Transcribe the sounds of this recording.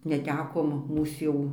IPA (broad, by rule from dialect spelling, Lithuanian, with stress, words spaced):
nʲɛˈtʲæːkoːm ˈmuːs jɛʊ